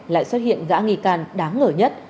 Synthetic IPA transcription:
la̰ː˧˨jswəː˦˥t̚hḭ˧˨ənɣa̰ː˧˥ŋi˧˩kaː˧˩nɗaː˨˦ŋːəː˧˩ɲə˦˥t̚

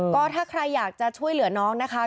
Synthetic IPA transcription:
kɔː˥˩t̪ʰaː˥˩kʰɾa˧jːaː˨˩k̚t͡ɕa˨˩t͡ɕʰu˥˩əjlɯ˨˩˦ɐnɔː˦˥ŋna˦˥kʰa˦˥

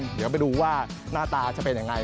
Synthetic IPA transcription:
di˨˦p̬a˧jduː˧waː˥˩naː˥˩t̪aː˧t͡ɕa˥˩pe˧nja˧ŋa˧j

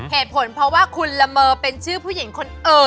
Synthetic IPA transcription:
heː˨˩t̪̚pʰo˩˦npʰɾɔ˦˥waː˥˩kʰu˧nla˧mɤː˧pe˧nt͡ɕʰɯː˥˩pʰuː˥˩ji˩˦ŋkʰo˧nʔɤː˧

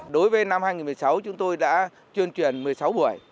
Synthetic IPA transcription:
ɗo˨˦jvəː˨˦jna˧mhaː˧jŋi˨˩nmɨ˨˩ə˩sa˨˦wt͡ɕʊ˨˦ŋ͡mt̪o˧jɗa̰ː˧˥ | t͡ɕwi˧ənt͡ɕwi˧˩ənmɨ˨˩əjsa˨˦wɓu˧˩əj

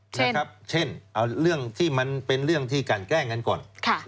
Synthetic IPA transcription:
t͡ɕna˦˥˩kʰa˦˥p̚t͡ɕʰe˥˩nʔa˧˩ɾɯ˥˩əŋt̪ʰiː˥˩ma˧npe˧nɾɯ˥˩əŋt̪ʰiː˥˩kaː˨˩nkɛː˥˩ŋa˧˥nkɔ̰ː˨˩nkʰa˥˩

